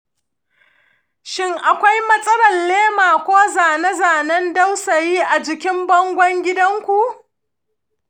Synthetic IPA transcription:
ʃɪ˦ŋʔa˨kʷa˦jmɐ˦sʼɐ˦ɽɐ˨nleː˦maː˨kʷoː˦zaː˨nɐ˦zaː˨nɐ˦nda˦wsɐ˨jiː˦ʔa˨d͡ʒɪ˨kʲɪ˦mbɐ˦ŋɡʷɔ˦ŋɡʲɪ˦dɐ˦ŋkʷu˨ʔ

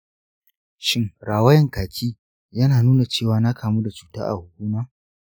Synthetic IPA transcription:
ʃɪ˦ŋɾaː˨wɐ˦jɐ˨ŋkaː˨kʲʰiː˦ | jɐ˦naː˨nuː˦na˨t͡ʃeː˦˨waː˨˦na˦kʰaː˨muː˦da˨t͡ʃuː˨ta̰ː˦ʔa̰˨hʊ˨kʷuː˦ma˦

